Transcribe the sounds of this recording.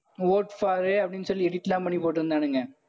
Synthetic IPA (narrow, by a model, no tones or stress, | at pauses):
ʋoːʈfaːɾeɐpːɽinsɔlːɛɽiʈ̪ːlãːpɐɳːipoːʈːɯɾɯnd̪aːnɯŋɡɐ